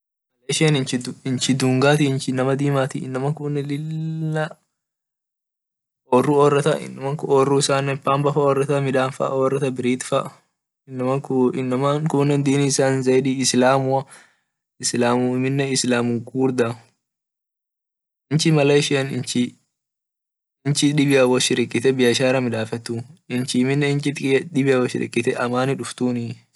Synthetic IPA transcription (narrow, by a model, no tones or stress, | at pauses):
mɐlɐjʃɪɐnɪnt͡ʃɪd̪ɪnt͡ʃɪd̪uŋɡaːt̪iɪnt͡ʃɪnːɐmɐd̪iːmaːt̪iɪ̰nːɐmɐkʊnːɛlɪlːɐ | ɔrːuɔːrɐt̪ɐʔɪ̰nːɐmɐŋkʊɔrːuːɪsaːnːɛpaːmbɐfɐɔrːɐt̪ɐmɪᶑaːnfɐ̰ɔːrːɐt̪ɐbɪɾiːt̪fɐʔ | ɪnːɐmɐkɪnːɐmankʊnːɛnd̪iːniːɪsaːnzɐjᶑiːɪslaːmuɐ | ɪslaːmuɪmɪnːɛɪslaːmʊŋkuːɾd̪a | ɪnt͡ʃɪmɐlɐjʃɪɐnɪnt͡ʃɪ | ɪnt͡ʃɪᶑɪbɪjɐwɐʃɪɾɪkʼːɪt̪ɛbɪjɐʃaːɾɐmɪᶑaːfɛt̪ːuɪnt͡ʃɪmɪnːɛɪnt͡ʃɪt̪ᶑɪbɪjɐwɔʃɪ̰ɾɪ̰kʼːɪt̪ɛʔɐmaːnɪᶑʊft̪uːnɪ